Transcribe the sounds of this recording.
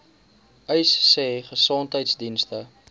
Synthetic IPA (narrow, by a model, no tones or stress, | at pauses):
əjsːɛːχəsɔntɦəjtsdinstə